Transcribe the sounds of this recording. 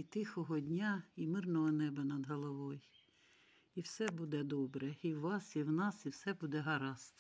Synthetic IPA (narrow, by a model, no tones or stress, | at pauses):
it̪ɪxɔɦɔdʲnʲaimɪrnɔɦɔnɛbɐnɐd̪ɦɔlˠɔʋɔj | iwsɛbud̪ɛd̪ɔbɾɛiwʋɑsiwnɑsiwsɛbud̪ɛɦɐɾɑst̪